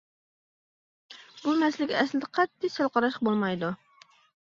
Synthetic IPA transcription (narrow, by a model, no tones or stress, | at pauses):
bumɛslɪkʲɛslɪd̪ɛqʰɑt̪ːɪsɑlˠqɑɾɑʃbolˠmɑjd̪u